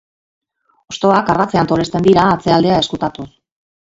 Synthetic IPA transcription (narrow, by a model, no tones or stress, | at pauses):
o̞st̪o̞akarat͡se̞ant̪o̞le̞st̪e̞nd̪iɾaːt͡se̞ald̪e̞aeskut̪at̪us